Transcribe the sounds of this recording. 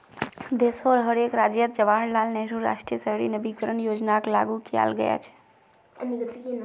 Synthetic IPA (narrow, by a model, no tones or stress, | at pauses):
d̪esoɾɦəɾekɾad͡ʒjət̪̚d͡ʒəʋaɽlalnəɦɾuɾa̰ʃʈɾiəsəɦɽinəbikəɾənjod͡ʒnaklaɡukija̰lɡəja̰t͡ʃʰɛ̥